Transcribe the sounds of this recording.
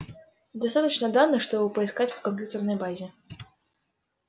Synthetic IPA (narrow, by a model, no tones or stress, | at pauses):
d̪ast̪at̪ət͡ɕnəd̪anɨʂt̪ɔbɨpəiskat͡sʲwkɐmʲp̬ʲjut̪ərnəjbazʲɛ